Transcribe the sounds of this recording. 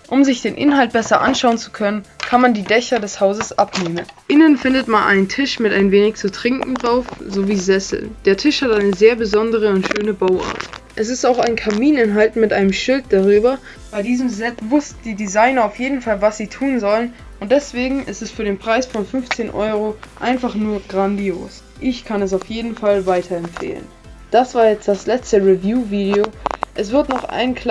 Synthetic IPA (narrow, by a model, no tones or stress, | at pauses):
ʔʊmzɪçd̥eːnʔɪ̰nɦalt̚b̥ɛsɐʔa̰nʃaʊənt͡su̥kʰœnənkʰanmandiːdɛçɐdɛshaʊzəsʔapneːmənʔɪnənfɪndətmanʔa̰ɪntʰɪʃmɪtaɪnveːnɪçt͡sutʁ̥ɪŋkŋ̩dʁaʊfz̥oviːzɛsl̩d̥eːɐtʰɪʃhatʔaɪnəzeːɐbəzɔndəʁ̞əʊntʃøːnəbaʊʔa̰ɐtʔɛs̬ɪstaʊxaɪnkʰamiːnɪnɦaltn̩mɪtʔaɪnəmʃɪlt̚d̥aʁ̞yːbɐ | b̥aɪdiːzəm̩zɛtvʊstn̩diːdizaɪnɐaʊfjeːdn̩falvasz̥iːtʰuːnzɔlən | ʔʊntd̥ɛsv̥eːɡŋ̩ʔɪ̰stɛstfyːɐɾeːnpʁ̥aɪsfɔnfʏnft͡seːnʔɔ̰ʏʁ̞oʔa̰ɪnfaχnuːɐɡʁandio̰ːs | ʔɪçkʰanɛs̬aʊfjeːdn̩falvaɪtʰɐɛmfḛːlə̰n | d̥asv̥aːɐjɛt͡std̥aslɛt͡stəʁivjuːviːdeoːʔɛsv̥ɪɐtnɔχʔa̰ɪnkʰl